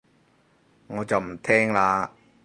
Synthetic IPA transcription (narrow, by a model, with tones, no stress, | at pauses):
ŋɔː˨˧t͡sɐ˨wm̩˨˩t̪ʰɛː˥ŋlaː˧